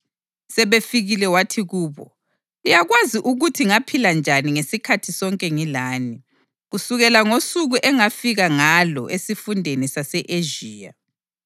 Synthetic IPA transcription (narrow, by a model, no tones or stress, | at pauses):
sɛβefiɣilɛwatʰiɣuːβɔ̰ | lijaɣwaziʔuɣutʰiŋapʰiland͡ʒʱaniŋesikʰatʰisɔŋkʼɛŋilaːni | ɣusuɣɛlaŋosuɣuʔɛŋafiɣaŋalɔ̰ʔesifundʱenisasɛʔeʒiːja̰